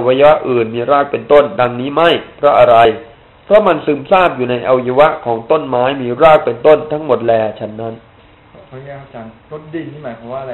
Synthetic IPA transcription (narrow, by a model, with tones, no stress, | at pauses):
wa˧ja˧wa˦˥ʔɯː˨˩nmiː˧ɾaː˥˩k̚pe˧nt̪o˥˩nda˧ŋniː˦˥ma˥˩jpʰɾɔ˦˥ʔa˧ɾa˧j | pʰɾɔ˦˥ma˧nsɯː˧˩msaː˥˩p̚juː˨˩na˧jʔa˧wja˧wa˦˥ʔkʰɔː˩˦ŋt̪o˥˩nmaː˦˥jmiː˧ɾaː˥˩k̚pe˧nt̪o˥˩nt̪ʰa˦˥ŋmo˨˩t̪̚lɛː˧t͡ɕʰa˦˥˩nːa˦˥nʰ˧˦˥ | t͡ɕa˧n˦di˧i˥˩maː˨˦jpʰa˨˦waː˥˧